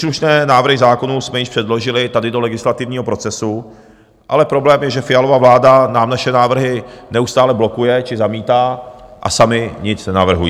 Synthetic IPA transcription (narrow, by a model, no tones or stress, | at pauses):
sluʃnɛːnaːvr̩ɦɪzaːko̞nusmɛjɪʃpr̥ɛdlo̞ʒɪlɪt̪adɪdo̞lɛɡɪslat̪ɪvɲiːɦo̞pɾo̞t͡sɛsu | ʔa̰lɛpɾo̞blɛːmjɛʒɛfɪjalovavlaːdanaːmnaʃɛnaːvr̩ɦɪnɛust̪aːlɛblo̞kujɛt͡ʃɪzamiːt̪aːʔa̰samɪɲɪt͡snɛnavr̩ɦujiː